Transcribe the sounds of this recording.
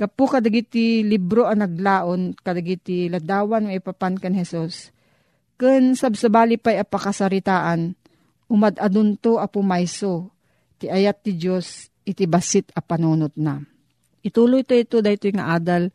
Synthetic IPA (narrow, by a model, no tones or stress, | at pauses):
ɡɐpʊkɐd̪aɡɪt̪ɪlibɾoʔɐnɐɡlaːʔonkɐd̪aɡɪt̪ɪlɐd̪aːwanmaɪpapankanhɛsus | kɨnsabsɐbaːlɪpajɐpɐkasaɾɪt̪aːʔan | ʔʊmad̪ʔad̪ʊnt̪oʔɐpʊmajso | t̪ɪʔɐjat̪̚ːɪd͡ʒos | ʔɪt̪ɪbasɪt̪ɐpɐnuːnot̪̚na | ʔɪt̪uːlojt̪oɪt̪od̪ajt̪ojŋa̰ʔaːd̪al